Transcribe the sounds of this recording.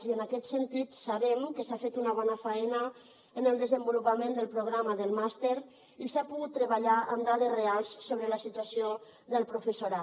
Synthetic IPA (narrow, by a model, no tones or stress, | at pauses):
ziənakɛt̪sənt̪it̪saβɛmkəsafet̪unəβɔnəfaɛnə | ənəlˠd̪əzəmbulupamend̪əlˠpɾuɣ̞ɾaməðəlˠmast̪eɾ | isapuɣut̪ːɾəβaʎaʔəmd̪aðərealˠsːoβ̞ɾələsit̪uasio | ðəlˠpɾufəsuɾa